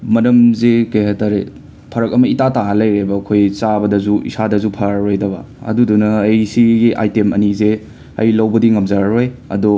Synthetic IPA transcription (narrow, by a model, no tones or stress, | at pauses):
mɐnɐmzekɐjhataɾe | pʰɐɾɐk̚ɐmɐitataɦalɐjɾebɐːkʰojt͡ʃabɐdɐzuḭsadɐzupʰɐɾojdɐbɐ̰ | ɐ̰dudunɐːjsiɡiʔa̰jtemʔɐ̰nize | ɐ̰jlɐwbɐdiŋɐmzaɾojɐ̰dɔ